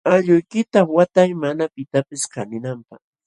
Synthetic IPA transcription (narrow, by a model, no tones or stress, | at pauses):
aʎʊjkɪt̪awat̪ajmanapɪt̪apɪskanɪnampaχ